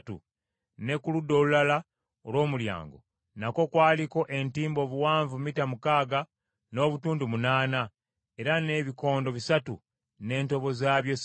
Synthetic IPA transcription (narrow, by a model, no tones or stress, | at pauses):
tṵ | ne̞kuludːo̞ːlulala | olwo̞ːmulja̰ːŋɡo̞̰ | nako̞kwaːliko̞ʔe̞ntiːmbo̞ːβuwaːɱvumitamukaːɡa | no̞ːβutuːndumunaːna | e̞ɾane̞ːβiko̞ːndo̞βisatṵ | ne̞ːnto̞βo̞zaːβjo̞s